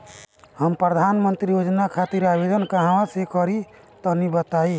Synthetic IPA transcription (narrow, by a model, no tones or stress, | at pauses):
həmpɾəd̪ʱanmənt̪ɾijod͡ʒnakʰat̪iɾabed̪ənkaɦãwãsekɔɾi | t̪ɔnibət̪ai